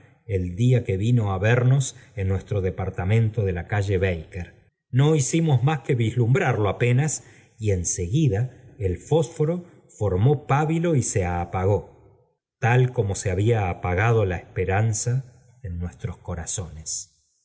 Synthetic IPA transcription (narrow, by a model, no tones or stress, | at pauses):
eld̪iake̞βino̞aβeɾno̞senːwe̞st̪ɾo̞ðepaɾt̪amẽ̞nt̪o̞ðe̞lakaʒe̞βejkeɾ | no̞isimo̞zmaske̞βizlumbɾaɾloapenas | ie̞nse̞ɣiðaelfo̞sfoɾo̞ | fo̞ɾmo̞paβilo̞iseapaɣo̞ | t̪alko̞mo̞seaβ̞iaːpaɣað̞o̞laespeɾansa | enːwe̞st̪ɾo̞sko̞ɾaso̞nes